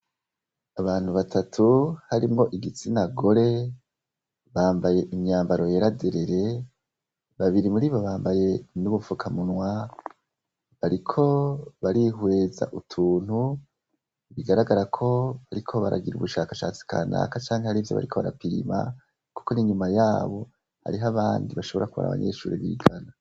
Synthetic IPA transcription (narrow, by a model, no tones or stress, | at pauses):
aβaːn̥huβatʰatʰuhaɾimŋo̞ʔiɡit͡sinaɡo̞ɾe̞ | βaːmbaje̞ʔimɲaːmbaɾo̞jeɾadeɾeɾe̞ | βaβiɾimuɾiːβoβaːmbaje̞nuβufukʰamunwa | βaɾikʰo̞βaɾiɦwe̞ːza̰ʔutʰuːn̥hu | iβiɡaɾaɡaɾakʰo̞βaɾikʰo̞βaɾʔa̰ɡiɾuβuʃakaʃat͡si̥ka̰na̰ːkat͡ʃaːŋhehaɾivjo̞βa̰ɾikʰo̞βaɾa̰piɾḭma̰ | ku̥ko̞niɲumajaːβo̞ | ha̰ɾiɦaβaːndiβaʃo̞βo̞ɾakuβa̰ɾa̰βa̰ɲḛʃṵːɾiβḭɡana